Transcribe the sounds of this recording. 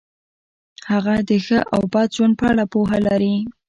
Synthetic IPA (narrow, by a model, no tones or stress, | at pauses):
haɣad̪əxəʔawbɑd̪̚d͡ʒwand̪̚pəaɽapoɦalaɾi